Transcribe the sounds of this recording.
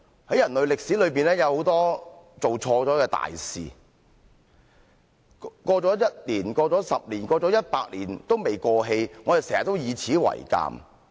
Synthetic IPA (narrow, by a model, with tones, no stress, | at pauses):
hɐ˨˥jɐ˨˩nlɵ˨ɥlɪ˨k̚si˨˥lɵ˨˧ɥpiː˨˩nlɛː˥jɐ˨˧who˨˥wt̪ɔː˥t͡so˨wt͡ʃʰɔː˧t͡sɔː˨˥kɛː˧t̪a̰ː˨jsḭː˨ | kɔː˧t͡sɔː˨˥jɐ˥t̚liː˨˩nkɔː˧t͡sɔː˨˥sɐ˨p̚liː˨˩nkɔː˧t͡sɔː˨˥jɐ˥t̚paː˧k̚lḭː˨˩nt̪o˥wme˨jkɔː˧ɦe˧jŋɔː˨˧e˨sɛː˨˩hɐ˨˩t̪o˥wjiː˨˧t͡sʰiː˨˥wɐ̰˨˩jka̰ː˨m